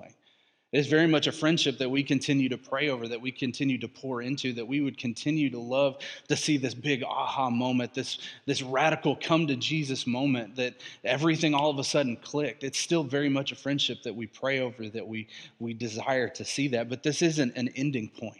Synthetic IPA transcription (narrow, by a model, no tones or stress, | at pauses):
ɪ | ɨzvɛɹimʌt͡ʃɨfɹɛ̃nd̥ʃɨp̚ðɨt̚wikʰɨ̃ntʰɪ̃njʉɾɨpʰɹ̥eɪoʊvə˞ðɨt̚wikʰɨ̃ntʰɪ̃njʉɾɨpʰʊɹɪ̃ntʰʉðɨt̚wiwɨd̚kʰɨ̃ntʰɪ̃njʉɾəlʌv̥tɨsiðɪsb̥ɪɡɑ̰hɑmõʊ̃mɨ̃nðɪsðɪsɹæɾɨkl̩ˠkʰʌ̃mtɨd͡ʒizɨsmõʊ̃mɨ̃nðɨɾɛvɹiθɪ̃ŋɔlˠʌvəsʌdⁿn̩kʰl̥ɪk̚tɨtstɪlˠvɛɹimʌt͡ʃɨfɹɛ̃nd̥ʃɨp̚ðɨt̚wipʰɹ̥eɪoʊvə˞ðɨt̚wiwidɨza̰ɪə˞ɾɨsiðɨt̚b̥ʌt̪̚ðɪsɪzɨ̃ntɨ̃nɛ̃ndɪ̃ŋpʰɔ̃ɪ̃nt̚